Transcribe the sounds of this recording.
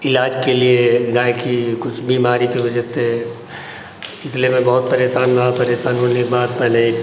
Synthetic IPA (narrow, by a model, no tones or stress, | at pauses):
ɪlaːd͡ʒkelieɡaːekikʊt͡ʃʰbiːmaːɾikeʋɐd͡ʒəse | ɪsliemẽbɐɦʊt̪̚pɐɾjeːsaːnbaapɐɾjeːsaːnɦoːnekbaːd̪pɛːne